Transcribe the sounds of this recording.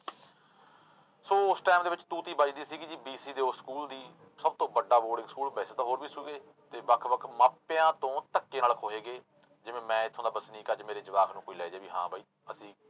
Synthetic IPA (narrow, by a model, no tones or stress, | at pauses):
soːʊsʈɛːmd̪eːʋɪt͡ʃt̪uːt̪iːbət͡ʃd̪iːsiːkɪd͡ʒiːbiːsiːd̪eːoskuːld̪iː | səb̚t̪õːbəɖaːboːɖɪ̃ŋɡskuːlbɛːseːt̪aːɦoːɾʋiːsuːɡeː | t̪eːbakʰbəkʰmaːpɪjãːt̪õːt̪əkːeːnələkʰoːɦeːɡeː | d͡ʒɪʋẽːmɛ̃ːɪt̪ʰːõːd̪aːbəsniːkaːd͡ʒmeːɾeːd͡ʒɪʋaːkʰnũːkoːiːlɛːd͡ʒeːbiːɦã̰ːbaːiː | əsĩː